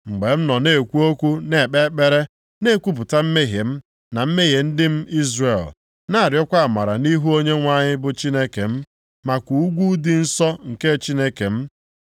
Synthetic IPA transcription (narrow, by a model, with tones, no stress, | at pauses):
ŋ͡m̩˨ɡ͡be˨m̩˦nɔ˨ne˦˨kʷu˦o˦kʷu˦ne˨k͡pe˦k͡pe˦ɾe˦ | ne˦kʷu˦p̬ʊ˨ta˦m̩˦me˦ɦe˨m̩˦ | na˨m̩˦me˦ɦje˨n̩˦dɪ˦m̩˦i˦zre˨l | na˦a˨ɾjɔ˦kʷa˦a˨ma˨ɾa̰˨ni˦ɦu˦o˦ɲe˦ŋʷa˦ɲɪ˦bʊ˦t͡ʃi˦ne˦ke˨m̩˦ | ma˨kʷu˨u˦ɡʷu˦dɪ˦n̩˦sɔ˦ŋ̩˨ke˦t͡ʃi˦ne˦ke˨m̩˦